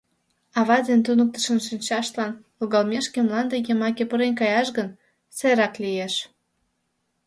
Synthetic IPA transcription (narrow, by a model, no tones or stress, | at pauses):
ɑβɑd̪ent̪unək̚t̪ə̥ʃənʃinʲt͡ɕɑʃlɑn | uɣɑlmʲeʃkemlɑnd̪ejemɑkʲepəɾenkɑjɑʃɣən | seɾɑklijeʃ